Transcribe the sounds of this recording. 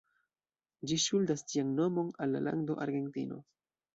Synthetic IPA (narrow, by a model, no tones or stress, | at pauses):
d͡ʒiʃuldastianno̞mo̞nalːa̰lʔa̰ndo̞ʔaɾɡe̞ntḭno̞̰